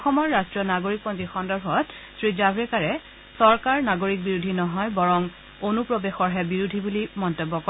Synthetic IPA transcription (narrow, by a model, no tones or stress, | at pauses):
ɔxɔmɔɹːastɹiɔnaɡoɹik̚pɔntixɔndɔɹbʱɔt | sɹizabɹɛkaɹɛ | sɔɹkaɹnaɡoɹik̚biɹudʱinɔɦɔjbɔɹɔŋ | onupɹobexɔɹɦɛbiɹudʱibulimɔntobːɔkɔ